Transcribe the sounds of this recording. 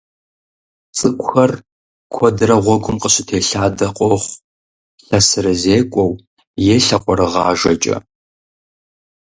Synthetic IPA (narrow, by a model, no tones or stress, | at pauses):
t͡sʼɨkʷʼxɐr | kʷʰɔdɨrɐʁʷɔɡʷʊmqʼəɕɪtʰeːɬaːdɐqʷʼɔχʷ | ɬɐsɨɾɐzeːkʷʼɔw | jeːɬɐqʷʼɔɾɨʁɑːʒɐt͡ʃʼɐ̰